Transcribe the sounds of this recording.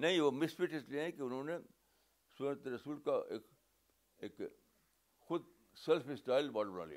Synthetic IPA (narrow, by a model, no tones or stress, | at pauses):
nɐɦĩʋomɪsfɪʈɪslieẽkiʊnɦõːne | sont̪eɾɐsuːlkaeːk | eːk | xʊd̪ | sɛlfɪsʈaːɪlbaːɽbɐna̰ːlḭa̰